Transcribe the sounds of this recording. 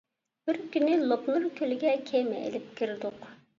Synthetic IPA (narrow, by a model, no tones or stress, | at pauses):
b̥ɪɾkʲynɪlˠopnuɾkʲʰølɪɡʲɛkʲʰemɛ̰ʔḛlɪp̚kʲʰiɾɪd̪ʊq